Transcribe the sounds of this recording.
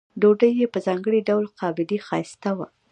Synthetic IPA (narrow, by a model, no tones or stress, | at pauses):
ɖoɖəjːepəzɑŋɡəɽiɖawlqɑbɪd̪ixɑjst̪awa̰